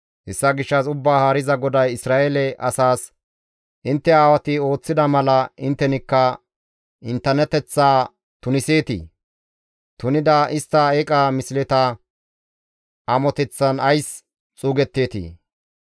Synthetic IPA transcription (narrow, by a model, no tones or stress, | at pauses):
hɛsːɐɡɪʃːɐsʊbːaːhaːɾɪzɐɡɔd̪ɐjɪsɾaːʔɛlɛʔɐsaːs | ʔɪnt̪ːɛaːwɐt̪ɪo̞ːt͡sːɪd̪ɐmɐlɐɪnt̪ːɛnɪkːɐ | ɪnt̪ːɛnːɛt̪ɛt͡sːaː | t̪ʊnɪse̞ːt̪ḭː | t̪ʊnɪd̪ɐʔɪst̪ːɐeːkʼaːmɪsɪlɛt̪ɐ | ʔɐmɔt̪ɛt͡sːɐnɐjs | t͡sʼuːɡɛt̪ːe̞ːt̪ḭː